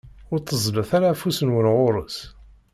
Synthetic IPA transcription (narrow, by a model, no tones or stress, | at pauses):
ʊɾt̪ːəzˤləθaɾafusənwənʁʊɾˤəs